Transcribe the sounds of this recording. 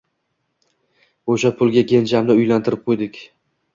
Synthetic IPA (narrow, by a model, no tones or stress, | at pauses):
oʃapʰʊlˠɡʲaɡʲend͡ʒamnɪʊjlant̪ʰɪɾɪp̚qʰojd̪ɪkʲ